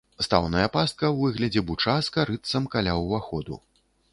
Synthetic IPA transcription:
st̪a̰wnɐjɐpast̪̚kɐwːɨɣlʲɐd͡zʲɛbut͡ʂaskɐɾɨt̪sɐmkalʲawvaxɔd̪ṵ

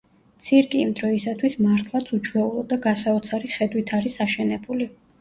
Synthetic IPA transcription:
t̪sʰiɾkʼiːmd̪ɾɔisat̪ʰwismaɾt̪ʰlˠat̪sʰut͡ʃʰwɛulˠɔd̪aɡasaɔt̪sʰaɾiχɛd̪wit̪ʰaɾisaʃɛnɛbuli

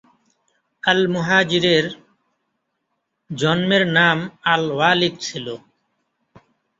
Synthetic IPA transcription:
əlmuɦaːd͡ʑiɾeɾ | d͡ʑɔnmeɾnamalwaːlid̪̚t͡ɕʰilo

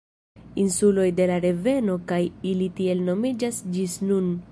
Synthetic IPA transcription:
insulo̞jde̞laɾe̞ve̞no̞kajilitie̞lno̞mid͡ʒasd͡ʒisnun

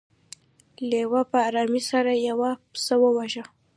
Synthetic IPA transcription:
lewapəːɾɑmisaɾajawapsəwəwaʒa

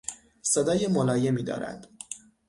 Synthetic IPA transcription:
se̞d̪ɒːjemolɒːje̞miːd̪ɒ̰ːɾæ̰d̪̥

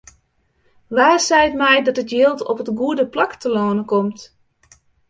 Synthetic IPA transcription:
ʋaːsɛjtmɛjdɑtətjɪːlˠtɔ̰pətɡuədəplaktəloːnəkɔmt

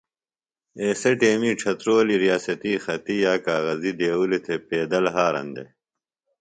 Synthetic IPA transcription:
eːseʈeːmiːʈ͡ʂʰɐt̪ɾoːliɾijaːsɐt̪iːxɐt̪ijaːkaːɣɐzid̪eːwulit̪ʰepeːd̪ɐlɦaːɾɐ̰nd̪ḛ

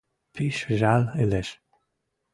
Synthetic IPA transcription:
pʰiʃʒalelɛʃ

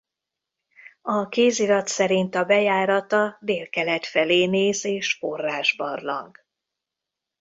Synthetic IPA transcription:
ɒkeːziɾɒt̪sɛɾint̪ɒbɛjaːɾɒt̪ɒd̪eːlkɛlɛt̪fɛleːneːzeːʃfo̞rːaːʒbɒ̰rlɒ̰ŋɡ

